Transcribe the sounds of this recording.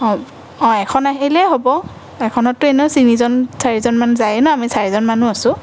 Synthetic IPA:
ɔ | ɔ̃ɛkʰɔnaɦelɛɦobɔ | ɛkʰɔnɔtːʊeneʊsinizɔnsaɹizɔnmanuzajɛnɔamisaɹizɔnmanuasʊ̃

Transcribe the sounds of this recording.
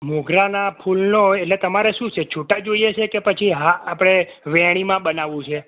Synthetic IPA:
muɡʱɾanapʰulnoeʈlet̪əmaɾeʃũt͡ʃʰet͡ʃʰuʈad͡ʒoijet͡ʃʰekepət͡ʃʰiɦãːpɽ̃e | ʋɛɽ̃imãɓənaʋũt͡ʃʰe

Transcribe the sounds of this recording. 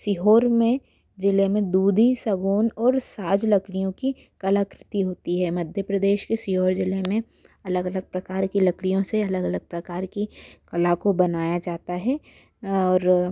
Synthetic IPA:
sɪɦoːɾmẽ | d͡ʒɪlemẽd̪uːd̪ʱisɐɡuːnɔːɾsaːd͡ʒlɐkɽ̃ijõki | kɐlakɾɪt̪iɦoːt̪iɦɛmɐd̪ʱjəpɾɐd̪eːʃkesɪɦoːɾd͡ʒɪlemẽ | ɐləɡɐləɡ̚pɾɐkaːɾkilɐkɽijõseɐləɡɐləɡ̚pɾɐkaːɾkikɐlakobɐnaːjad͡ʒaːt̪aɦɛː | ɔːɾ

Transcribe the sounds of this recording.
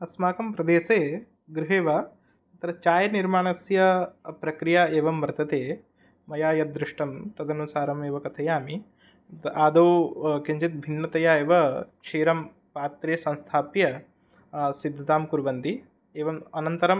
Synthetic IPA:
ɐsmaːkɐmpɾɐd̪eːseː | ɡɾɪɦeːʋɐ | ɐt̪ɐɾɐt͡ʃaːjɐniɾmaːɳɐsjɐpɾɐkɾijaeːʋɐmʋɐɾt̪ɐt̪eː | mɐjaːjɐd̪ɾɪʂʈɐmt̪ɐd̪ɐnusaːɾɐmeːʋɐkɐt̪ʰɐjaːmi | aːd̪oːkiɲd͡ʒit̪̚bʱinːɐt̪ɐjaːeːʋɐkt͡ʃʰiːɾɐm | paːt̪ɾeːsɐ̃nst̪ʰaːpjɐ | sid̪ʱːɐt̪aːmkuɾʋɐnt̪i | eːʋɐmɐnɐnt̪ɐɾɐm

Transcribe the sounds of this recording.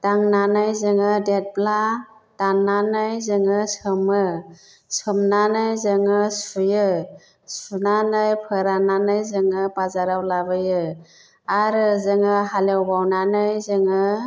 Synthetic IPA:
taŋnanɯjzɯŋɯdet̚pla | d̥aŋnanɯjzɯŋɯsɯmɯ | sɯmnanɯjzɯŋɯsujɯ | sunanɯjpʰɯɾananɯjzɯŋɯpazaɾawlabɯjɯ | aɾɯzɯŋɯɦalewbawnanɯjzɯŋɯ

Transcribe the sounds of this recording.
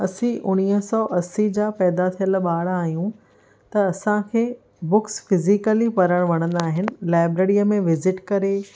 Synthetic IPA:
ɐsĩʔʊñiːɦsɔːʔɐsid͡ʑapɛːd̪at̪ʰijəlɓaːɽaːɦijũ | t̪ɐɐsãkʰeː | bʊksfɪzikəlipɐɾəɽ̃ʋɐɽ̃ə̃nd̪aːɦɪnɪ̆laːɪbɾeːɾijəmẽʋɪzɪʈkɐɾe

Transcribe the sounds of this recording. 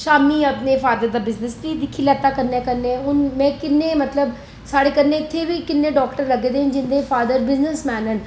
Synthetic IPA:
ʃaːmiːəpneːpʰaːd̪əɾd̪aːbɪznəsd̪iːd̪ɪkʰːiːlɛːt̪aːkəɾnɛ̃ːkəɾnẽɦʊnmɛ̃ːkɪnːẽːmət̪ləb | saːɽeːkəɾneːɪt̪ʰːeːʋiːkɪnːẽːɖɔːkʈəɾləɡeːd̪eːɦnd͡ʒɪnd̪eːfaːd̪əɾbɪznəsmɛːnɦən

